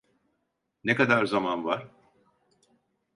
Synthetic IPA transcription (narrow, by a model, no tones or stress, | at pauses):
nekad̪aɾzamanvaɾ̥